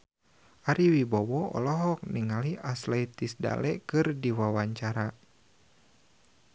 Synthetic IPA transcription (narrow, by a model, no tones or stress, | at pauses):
ʔaɾiwibɔwɔɔ̰lɔɦɔk̚niŋaliʔasleit̪isda̰lɛkɨrdiwawaɲt͡ʃaɾa